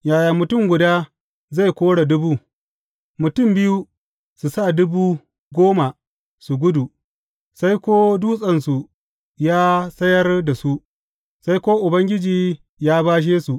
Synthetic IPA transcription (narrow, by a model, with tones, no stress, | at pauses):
jaː˨jaː˨mʊ˨tʊ˦˨ŋɡʷʊ˨daː˦ | za˦˨jkʷoː˦ɽa˨dʊ˦buː˦ | mʊ˨tʊ˦˨mbɪ˦ju˦ | su˨sa˦˨dʊ˦buː˦ | ɡʷoː˦ma˨ | su˨ɡʷʊ˦du˨ | sa˦jkʷoː˦duː˦sʼɐ˦nsu˨ | jaː˦sɐ˦jɐ˦rda˨su˦ʔ | sa˦jkʷoː˦ʔʊ˨bɐ˦ŋɡʲɪ˦d͡ʒiː˨ | jaː˦baː˦ʃ̬eː˦su˨ʔ